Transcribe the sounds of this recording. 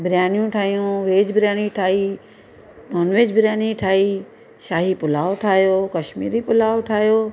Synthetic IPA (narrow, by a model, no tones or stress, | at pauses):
bɪɾjaːnijũʈʰaːɦijũʋeːd͡ʑbɪɾjaːniʈʰaːi | noːnʋeːd͡ʑbɪɾjaːniʈʰaːi | ʃaːɦipʊlaːoʈʰaːɦjoːkɐʃmḭːɾipʊlaːoʈʰaːɦijoː